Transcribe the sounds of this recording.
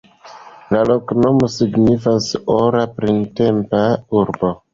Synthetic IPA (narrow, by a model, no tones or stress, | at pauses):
lalo̞kno̞mosiɡnifasoɾapɾinte̞mpauɾbo̞